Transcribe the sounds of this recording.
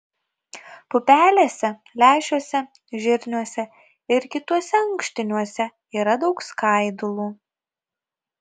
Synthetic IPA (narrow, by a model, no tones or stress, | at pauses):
pʊpʲæːlʲeːsʲɛlʲæːʒʲuɔsʲɛ | ʒʲɪɾʲnʲuɔsʲɛ | ɪɾkʲɪt̪uɔsʲɛɐŋkʃʲt̪ʲɪnʲuɔsʲɛ | iːɾɐd̪ɒʊkskɐˑɪd̪ʊlˠuː